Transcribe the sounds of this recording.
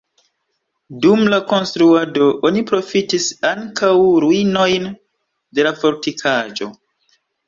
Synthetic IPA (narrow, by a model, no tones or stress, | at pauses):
dumlako̞nstɾuado̞ʔonipɾo̞fitisaŋkʰawɾuino̞jn | de̞lafo̞ɾtikʰad͡ʒo̞̰